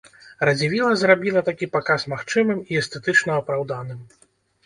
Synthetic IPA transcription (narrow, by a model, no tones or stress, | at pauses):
ɾɐd͡zʲivʲilˠɐzrabʲilˠɐt̪akʲipakasmaxt͡ʂɨmɨmiɛst̪ɛt̪ɨt͡ʂnɐːpɾawd̪anɨm